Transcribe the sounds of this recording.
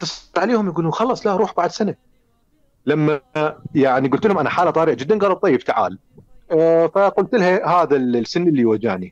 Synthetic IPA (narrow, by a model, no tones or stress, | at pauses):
t̪ɑsˤt̪ʕaleːhʊmjaɡuːluːnxɑlˤːɑːsˤlaʔɾˤuːħbaʕd̪sana | lamːajaʕniɡʊlt̪əlhʊmʔanaħaːlːat̪ˤɑːɾɪʕad͡ʒɪd̪ːanɣɑlɑb̚t̪ˤɑjːɪbt̪aʕa̰ːl | faqʊlt̪lhahaːðalsɪnːʔɪlːiwad͡ʒa̰ːʕni